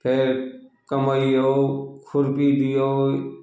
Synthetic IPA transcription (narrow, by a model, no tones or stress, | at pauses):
pʰeɾkəmaioːkʰʊɾpiːd̪ijoː